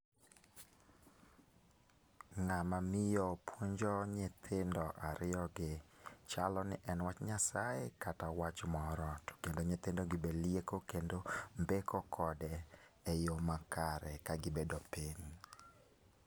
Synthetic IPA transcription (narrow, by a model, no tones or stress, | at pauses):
ŋamamɪjɔpwoɲd͡ʒɔɲet̪ʰɪndɔʔaɾɪjɔɡɪt͡ʃalɔnɪ̰ʔɛnwat͡ʃɲasaekatawat͡ʃmɔɾɔtkendoɲet̪ɪndɔɡɪbeljekokendombekʰɔkʰɔdɛɛjomakaɾɛkaɡɪbedopiɲ